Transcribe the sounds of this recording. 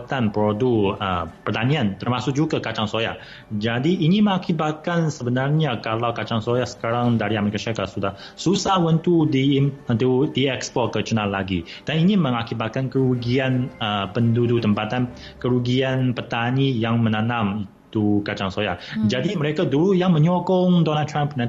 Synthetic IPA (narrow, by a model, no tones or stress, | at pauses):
t̪anpɾoduəpərt̪aniant̪ərmasʊk̚d͡ʒukəkat͡ʃaŋsoja̰ | d͡ʒadiʔːniməŋakibat̪̚kansəbənarɲakalawkat͡ʃaŋsojasə̥kaɾaŋdaɾiameɾikasiɾakat̪̚sudah | susahwənt̪udiənt̪udiɛkspɔrkət͡ʃənalːaɡḭd̥aniniməŋakibat̪̚kankəɾuɡianəpəndudut̪əmpat̪an | kəɾuɡianpərt̪anijaŋmənanamit̪ukat͡ʃaŋsoja̰d͡ʒadiməɾekaduɾujaŋməɲɔkɔŋdonad̚t̪ʰɾampna